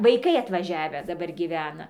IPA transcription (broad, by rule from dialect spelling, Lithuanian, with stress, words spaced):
ʋɐɪˈkɐɪ ɐtʋɐˈʒʲæːʋʲæː dɐˈbɐr ɡʲiːˈʋʲæːnɐ